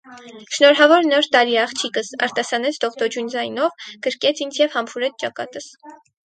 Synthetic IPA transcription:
ʃnɔɾɦɑvɔɾnɔɾt̪ɑɾiɑχt͡ʃʰikəsɑ̰ɾt̪ɑsɑnɛt͡sʰd̪ɔʁt̪ɔd͡ʒund͡zɑjnɔvɡ̥əɾkɛt͡sʰint͡sʰjɛvhɑmpʰuɾɛt͡sʰt͡ʃɑkɑ̰t̪əs

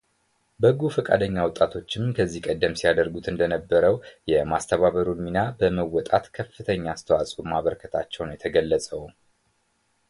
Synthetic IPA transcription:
bəɡufəkʼa̰d̪əɲːawɔt̪ʼːat̪ʰo̞t͡ʃːɪmkʰəzːihkʼəd̪ːəmsijad̪əɾɡut̪ʰɨnd̪ənəbːəɾəwjɛmast̪ʰəβaβəɾunminabəməwːɔt̪ʼat̪kʰəfːɨt̪ʰəɲːast̪ʰəwasʼumaβəɾkʰət̪ʰat͡ʃːɛwnjɛt̪ʰəɡəlːəsʼəw

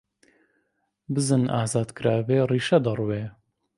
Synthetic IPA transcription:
bɨzɨna̰ːzaːd̪kɨɾaːveːriːʃɛd̪ɐrweː

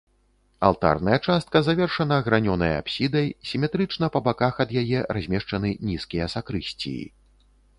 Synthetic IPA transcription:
a̰lˠt̪a̰rnɐjɐt͡ʂast̪̚kɐzavʲɛrʂɐnɐɣɾanʲɔnɐjɐ̰a̰psʲid̪ɐjsʲimʲɛt̪ɾɨt͡ʂnɐpɐbakaxɐd̪jajɛrazʲmʲɛʂt͡ʂɐnɨnʲiskʲijɐsakɾɨsʲt͡sʲḭjḭ

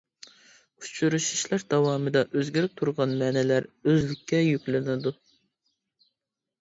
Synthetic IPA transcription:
u̥t͡ʃʰyɾuʃi̥ʃlæɾd̪̥ɑwɑːmɨd̪ɑʔøzɡʲiɾɪp̚t̪ʰuɾʁɑnmɛːnɛlæɾøzlɪkʲʰːɛjykʲlɪnɪd̪u

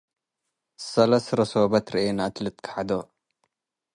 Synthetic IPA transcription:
sɐlɐsɾɐsobɐt̪ɾiʔenat̪lɨt̪kʰħad̪o

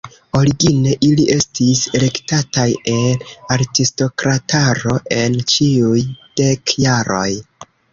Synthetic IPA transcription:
o̞ɾiɡine̞ʔiliʔe̞stisele̞ktataje̞naɾtisto̞kɾataɾo̞ʔe̞nt͡ʃiujd̥e̞kjaɾo̞̰j

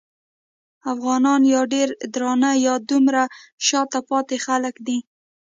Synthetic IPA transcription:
afɣɑnɑnjɑɖeɾd̪ɾɑnajɑd̪umɾaʃɑt̪apɑt̪exaləkd̪i

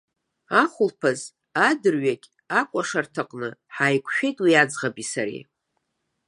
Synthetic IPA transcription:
aχʷʊlpʰaz | adɨrɥakʲʼ | akʷʼaʂartʰaqʼnɨħajkʷʰʃᶣejtʼwiad͡zʁabisaɾḭ

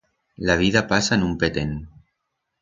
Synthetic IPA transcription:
laβ̞iðapasaenumpet̪en

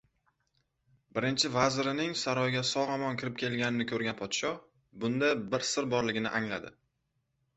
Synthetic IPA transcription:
bɪɾɪnt͡ʃʰɪvazɪɾɪnɪŋsaɾɒjɡʲasɒʁɑmɒnkʲʰɪɾɪp̚kʰʲe̞lɡʲanɪnɪkʲʰɵɾɡʲanpʰɒt̪ʃɒ | bʊnd̪abɪɾsɪɾbɒɾlɪɡʲɪnɪ̰ʔaŋlad̪ɪ

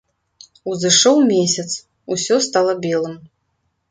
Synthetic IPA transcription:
uzɨʂɔwmʲesʲɐt̪s | usʲɔst̪alˠɐbʲelˠɨm

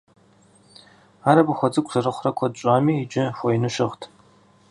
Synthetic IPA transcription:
aːɾɐbɨxʷɔd͡zɨkʷʰsɐrɨχʷrɐkʷʰɔd̚ɕʷʼaːmiːd͡ʒɪxʷɔjnɨʃɪʁtʰ

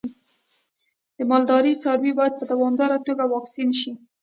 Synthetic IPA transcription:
d̪̥əmɑld̪ɑɾit͡sɑɾwibɑjad̪̚pəd̪awɑmd̪ɑɾat̪oɡawɑksinʃi

